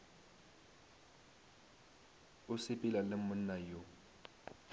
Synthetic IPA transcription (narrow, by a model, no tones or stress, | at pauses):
ʊsɪpʼɪlalɪmʊn̩ːajo